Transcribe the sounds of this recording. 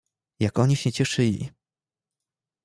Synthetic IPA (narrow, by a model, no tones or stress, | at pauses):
jakɔɲiɕɛt͡ɕɛʂɘlʲḭ